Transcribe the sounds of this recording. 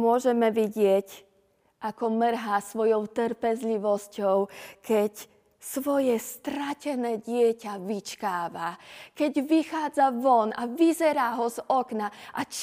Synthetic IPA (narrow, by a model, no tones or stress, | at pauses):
mʊɔʒɛmɛʋiɟɪɛc | ʔakɔmr̩ɦasʋɔjɔʊt̪ɾpɛzʎiʋɔscɔʊkɛc | sʋɔjɛst̪ɾacɛnɛːɟɪɛcaʋit͡ʃkaːʋakɛɟʋixaːd͡zaʋɔnaʋizɛɾaɦɔzɔknaʔat͡ʃ